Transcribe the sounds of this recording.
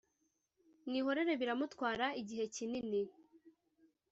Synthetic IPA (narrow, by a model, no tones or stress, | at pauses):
nŋiːɦo̞ɾe̞ɾe̞βiɾamutwaːɾaiɟiɦe̞cinini